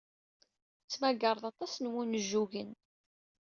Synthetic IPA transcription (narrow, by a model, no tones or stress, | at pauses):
t͡sːmæɡəɾˤðˤɑt̪ˤɑsnwunəʒːuʝən